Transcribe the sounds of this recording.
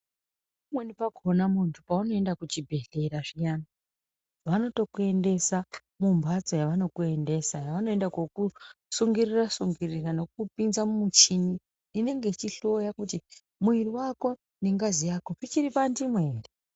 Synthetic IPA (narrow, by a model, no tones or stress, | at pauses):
umwenipaɡʱo̞namuntʰupauno̞e̞ndakut͡ʃibʱe̞ɬe̞ɾaʐijana | ʋano̞to̞kue̞nde̞sa | mumbʱat͡sojaʋano̞kue̞nde̞sajaʋano̞e̞ndakwokusuŋɡirirasuŋɡirirano̞k̚upinzamumut͡ʃiniː | ne̞ŋɡe̞it͡ʃiɬo̞jakuti | muiriwako̞ | neŋɡazijakopit͡ʃiɾipandimweːri